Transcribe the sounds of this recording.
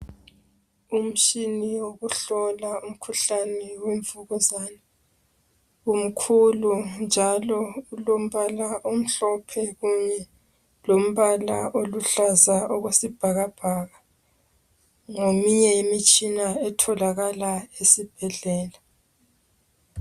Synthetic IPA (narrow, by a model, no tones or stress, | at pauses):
um̩t͡ʃiniwwoɣuɬɔlaum̩kʰuɬanɛweɱvuɣuzana | um̩kʰulund͡ʒʱalɔulom̩βalaʔom̩ɬɔpʰɛɣuɲɛ | lom̩βala̰ʔoluɬazaoɣwesib̥ʱaɣab̥ʱaɣa | ŋomiɲɛemit͡ʃʼinaɛtʰɔlaɣalaesib̥ʱɛɮɛːla